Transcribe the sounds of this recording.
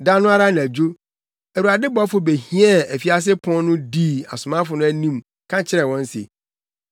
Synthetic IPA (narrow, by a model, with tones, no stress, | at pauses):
dã˦nʊ̃˦a˦ɾa˦n˨æ˨d͡ʑo˦ | æ˨ɾu˨a˨dɪ˦bɔ˦fʊ˨be˨hĩ˦ɛ˦˨æ˨fi˦a˦s̬ɪ˦pʰɔ̃˦n˦nʊ̃˦di˦a̰˨sʊ˨mã˦fʊ˨nʊ̃˦æ˦nĩ˦m | kʰã˦t͡ɕʰɪ˦ɾɛ˨wɔ̃˦n̩˦sḛ˨